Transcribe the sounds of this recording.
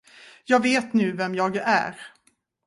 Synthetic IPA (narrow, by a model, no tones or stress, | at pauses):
jɑːɡveːt̪nʉ̟ːvɛmjɑːɡæ̰ɾ